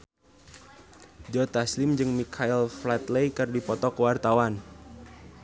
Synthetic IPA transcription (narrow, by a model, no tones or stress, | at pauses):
d͡ʒɔt̪aslɪmd͡ʒɨŋmikʰailflat̪lejkərdipɔt̪ɔkəwart̪awan